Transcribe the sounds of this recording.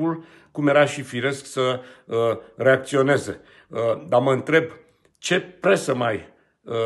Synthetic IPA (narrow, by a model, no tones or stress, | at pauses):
ul | kumje̞ɾaʃifiɾe̞sksə | re̞ak̚t̪sio̞ne̞ze̞ | əd̪aməɨnt̪ɾe̞b | t͡ʃe̞pɾe̞səmaj | ə